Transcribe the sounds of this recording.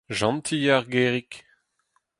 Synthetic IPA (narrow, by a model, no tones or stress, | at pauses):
ʒɑ̃nt̪ʰiaʁɡeːʁik